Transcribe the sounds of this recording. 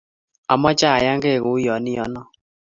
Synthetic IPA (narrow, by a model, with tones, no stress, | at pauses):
a̰˨mɔ˦t͡ʃa˦˨a˨ja˦ŋɡe˦˨ɣʊ˨˦jɔ˨nɪ˦jɔ˨˦nɔ˦